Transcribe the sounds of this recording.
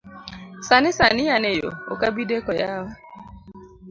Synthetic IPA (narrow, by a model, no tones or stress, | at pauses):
sanɪsanɪjanejo̰o̰kabidekɔjawa